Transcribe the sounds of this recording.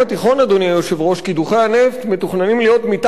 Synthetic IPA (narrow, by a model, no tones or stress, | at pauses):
at̪iχo̞nad̪oniajoʃevʁo̞ʃkid̪uχejane̞ft̪met̪uχnanimlijo̞t̪mit̪